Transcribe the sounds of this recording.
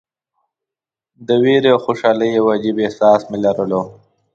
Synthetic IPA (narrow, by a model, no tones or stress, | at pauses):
d̪əweɾeaxoʃɑləjewad͡ʒibehsɑːsmelaɾəlo